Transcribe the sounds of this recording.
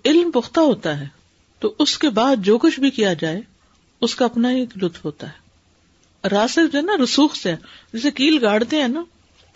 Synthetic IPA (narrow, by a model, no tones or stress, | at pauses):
ɪlmpʊxt̪aɦoːt̪aɦɛː | t̪oːʔʊskebaːd̪̚d͡ʒoːkʊʃbʱikijad͡ʒaːe | ʊskaɐpnaieːklʊt̪fɦoːt̪aɦɛː | ɾaːsed͡ʒoɦɛnaɾʊsuːxseɦɛːd͡ʒɛːsekiːlɡaːɽt̪eɦɛ̃ːnaː